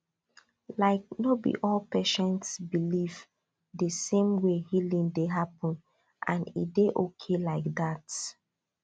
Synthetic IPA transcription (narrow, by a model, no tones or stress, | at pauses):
laɪk̚nobḭʔɔlpɛʃɛ̃ntsbiliv | dəsẽmwehilĩŋdeɦapə̃n | ʔãnḭdeʔokʰelaɪk̚dat